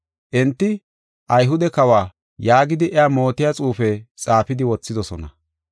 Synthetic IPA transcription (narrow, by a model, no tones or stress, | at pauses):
ʔɛnt̪ːɪ | ʔɐjɦʊd̪ɛkɐwaː | jaːɡɪd̪ɪʔɛamo̞ːt̪ɪjat͡sʼuːfɛt͡sʼaːfɪd̪ɪwɔt͡sːɪd̪ɔsɔnɐ̰